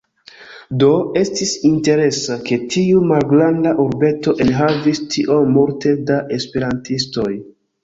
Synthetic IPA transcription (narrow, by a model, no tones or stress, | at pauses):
do̞e̞stisinte̞ɾe̞sake̞tʰiumalɡlandaʔuɾbe̞to̞ʔenɦavistʰiʔo̞muɾte̞daʔe̞spe̞ɾantisto̞j